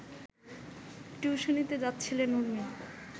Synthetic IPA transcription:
ʈjuːʃonit̪ed͡ʑatːɕʰilenuɾmi

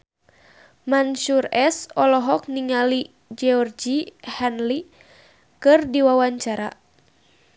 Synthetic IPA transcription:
manʃurɛsɔlɔɦɔk̚niŋali | d͡ʒɛɔrd͡ʒihanli | kɨrdiwawaɲt͡ʃaɾa̰

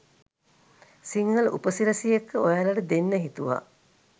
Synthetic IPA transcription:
siŋɡəlʔṵpəsiɾɐsijekʰːəojalɐʈəd̪enːəɦit̪uʋa̰

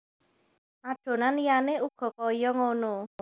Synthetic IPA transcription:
aɖ̥o̤nanjaneuɡ̥ɔ̤kɔjɔŋono

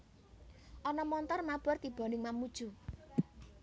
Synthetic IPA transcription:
ʔɔnɔmɔnt̪ɔrmab̥ɔ̤rt̪ib̥ɔ̤nɪŋmamud̥ʒ̥u

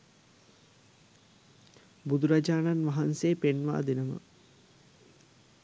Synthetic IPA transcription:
bud̪uɾad͡ʒaːnanʋaɦanseːpenʋa̰ːd̪inəmə̰

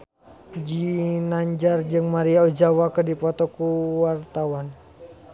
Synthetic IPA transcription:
d͡ʒinaɲd͡ʒard͡ʒɨŋmaɾiaɔd͡ʒawakədipɔt̪ɔkuwart̪awan

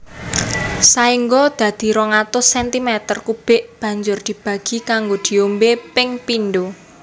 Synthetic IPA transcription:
saiŋɡɔd̪̥ä̤d̪̥i̤ɾɔŋat̪ʊsɛnt̪imɛt̪ərkub̥ɪ̤ʔb̥ä̤ɲd͡ʒʊrd̪̥i̤b̥ä̤ɡ̥i̤kaŋɡod̪̥i̤ombepɪŋpinɖo

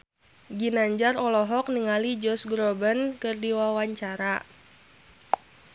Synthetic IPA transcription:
ɡinaɲd͡ʒaɾɔlɔɦɔkniŋalid͡ʒɔsɡɾɔbənkɨrdiwawaɲt͡ʃaɾa

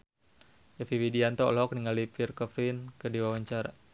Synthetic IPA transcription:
jafiwidiant̪ɔlɔk̚niŋalipirkɔfɾinkədiwawaɲt͡ʃaɾa̰

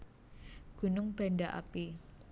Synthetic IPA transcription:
ɡ̥unʊŋb̥andaʔa̰pi

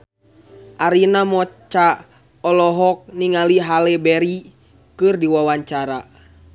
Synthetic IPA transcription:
ʔaɾinamɔt͡ʃa | ɔlɔɦɔk̚niŋaliɦalɛbɛɾi | kɨrdiwawaɲt͡ʃaɾa

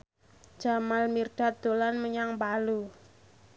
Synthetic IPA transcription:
d͡ʒ̥amalmirɖ̥at̪̚d̪̥o̤lanməɲaŋpalu

